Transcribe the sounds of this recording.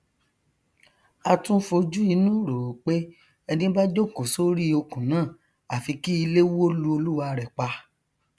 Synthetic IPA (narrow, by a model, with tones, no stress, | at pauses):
a˧tũ˦fo˧d͡ʒu˦i˧˦nũ˦ɾo˨k͡pe˦ | ɛ˧nĩ˦ba˦d͡ʒo˦˨ko˨so˦ɾi˦o˧kũ˨nãː˦˨ | a˨fi˧ki˦i˧le˦wlu˦o˧lu˦wa˧ɾɛ˨k͡pa˧